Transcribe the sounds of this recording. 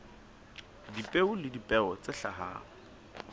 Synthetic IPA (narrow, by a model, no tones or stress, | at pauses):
dipʼeʊlɪdipʼɛɔt͡sʼɪɬa̰ɦa̰ːŋ̩